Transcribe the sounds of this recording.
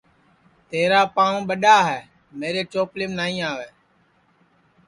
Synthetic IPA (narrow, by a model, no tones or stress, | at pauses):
t̪eːɾaːpãːũːɓəɗaːɦɛː | meːɾeːt͡ʃoːplɪmnaːĩːaːʋeː